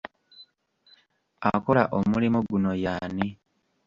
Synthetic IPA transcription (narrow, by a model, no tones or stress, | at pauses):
ako̞laʔomulimuɡuno̞jaːni